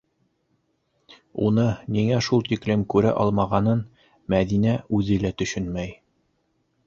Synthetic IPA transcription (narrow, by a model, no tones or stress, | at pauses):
ṵnɤniŋæʃulˠt̪iklɘmkʉɾæ̰ʔɒlˠmɑʁɑnɤn | mæðinæʉðɘ̆læt̪ɵ̆ʃɵnmæj